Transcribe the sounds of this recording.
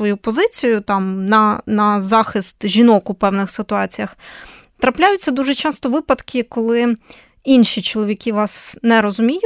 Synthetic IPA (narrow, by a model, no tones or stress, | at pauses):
ʋɔjupɔzɪt͡sʲijʊt̪ɑmnɐnɐzɑxɪst̪ʒʲinɔkʊpɛwnɪxsɪt̪ʊɑt͡sʲijɐx | t̪ɾɐplʲajʊt͡sʲːɐd̪uʒɛt͡ʃɑst̪ɔʋɪpɐt̪kʰʲɪkɔlˠɪ | inʃʲit͡ʃɔlˠɔʋʲikʲiʋɑsnɛɾɔzʊmʲijʊ